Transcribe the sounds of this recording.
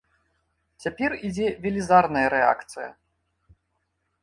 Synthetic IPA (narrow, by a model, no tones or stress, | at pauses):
t͡sʲapʲɛrid͡zʲɛvʲɛlʲizarnɐjɐɾɛa̰kt̪sɨjɐ̰